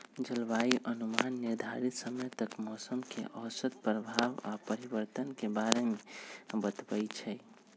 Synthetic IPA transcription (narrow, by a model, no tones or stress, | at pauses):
d͡ʒəlʋaiʔənumanːiɾd̪ʱa̰ɾit̪səməjt̪əkmɔːsəmkḛʔɔɦsəd̪̚pɾəbʱaʋa̰pəɾibəɾt̪ənkebaɾemebət̪bəjt͡ʃʰɛ